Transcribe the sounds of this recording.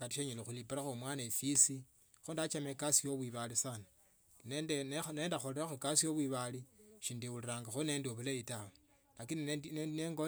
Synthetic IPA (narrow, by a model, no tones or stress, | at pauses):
ɡatiʃeɲelexulipuɾaxomwaːnefisi | xundat͡ʃamekasijoβwiβalisana | nendeneneːndaxoliɾaxukasijoβwiβaliʃiːndiwuliɾaːŋɡaxoneːndioβuleitawo | lakinieinneŋɡo